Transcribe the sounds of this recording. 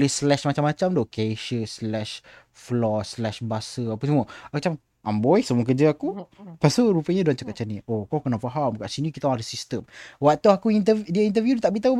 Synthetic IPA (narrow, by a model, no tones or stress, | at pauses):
lislɛʃmat͡ʃamat͡ʃamdokeʃəslɛʃ | flɔslɛʃbasəapəsəmũəakut͡ʃam | ʔambɔjsəmuək̬əd͡ʒəakupasəɾupəɲaduant͡ʃakatʔ̚t͡ʃaniʔokawkənaʔfaɦamkaʔsinĩkit̪ãadəsist̪əmwat̪aakuint̪ədiəint̪əvjudt̪aʔbit̪au